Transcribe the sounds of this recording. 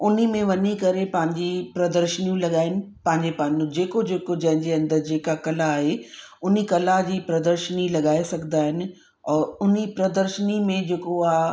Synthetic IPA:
ʊnimẽʋɐɲikɐɾepɐ̃ɦɪ̃ɲd͡ʑipɾɐd̪əɾʃənijũlɐɠaːɦɪnɪ̆pɐ̃ɦɪ̃ɲd͡ʑepɐ̃ɦɪ̃ɲd͡ʑũd͡ʑeːkod͡ʑeːkod͡ʑɐ̃ɦɪ̃ɲd͡ʑeɐ̃nd̪əɾd͡ʑeːkakɐlaːɦe | ʊn̤ikɐlad͡ʑiːpɾɐd̪əɾʃənilɐɠaːesɐɡʱnd̪aːɦɪnɪ̆ | ɔːɾʊnipɾɐd̪əɾʃənimẽd͡ʑeːkoaaːɦ

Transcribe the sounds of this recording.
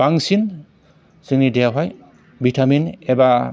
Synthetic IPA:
baŋsin | sɯŋnidejaɦaj | bʱitʰaminɛba

